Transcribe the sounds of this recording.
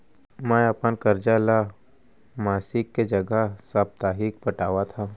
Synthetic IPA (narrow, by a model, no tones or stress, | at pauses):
mɛ̃ɐpənkɐɾd͡ʒala | maːsɪkːed͡ʒɐɡəsɐb̚t̪aːɦiːk̚bɐʈaːwat̪ʰaː